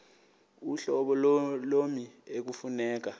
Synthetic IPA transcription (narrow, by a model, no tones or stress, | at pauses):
uɬɔɓɔlolomiek̬ufunɛːk̬a